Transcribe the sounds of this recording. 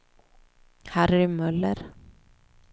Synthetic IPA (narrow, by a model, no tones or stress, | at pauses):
hæːɾæɾʏmœlːəɾ